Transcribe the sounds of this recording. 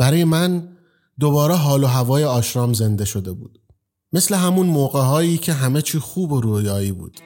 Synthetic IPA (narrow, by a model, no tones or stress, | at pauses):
b̥æɾɒːjemæn | d̪o̞βɒːɾɛɦɒːloɦævɒːjeɒːʃɾɒːmze̞nd̪e̞ʃo̞d̪e̞bṵːd̪̥ | me̞sleɦæmunmoːɣeɦɒːjiːcʰe̞ɦæmet͡ʃʰiːxuːbo̞ɾujɒːiːbṵːd̪̥